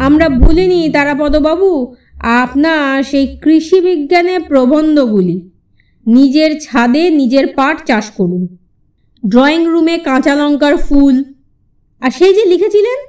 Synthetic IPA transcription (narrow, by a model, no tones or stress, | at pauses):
amɾabʱulinit̪aɾapɔd̪obabu | apnaʃejkɾiʃibiɡːanepɾobʱond̪oɡuli | nid͡ʑeɾt͡ɕʰad̪enid͡ʑeɾpaʈt͡ɕaʃkoɾun | ɖɾɔiŋɾumekãt͡ɕalɔŋkaɾful | aɾʃejd͡ʑelikʰet͡ɕʰilen